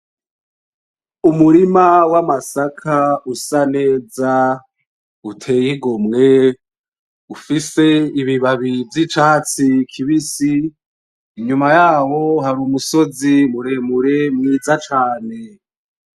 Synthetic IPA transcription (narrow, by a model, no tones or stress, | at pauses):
umuɾimawamasakʰausane̞ːza | utʰe̞ːjiɡomŋe̞ | ufise̞iβiβaβivjit͡ʃaːt͡sikʰiβisiː | ɲumajaːwo̞ɦaɾuːmuso̞zimuɾe̞muɾe̞mŋiːzat͡ʃaːne̞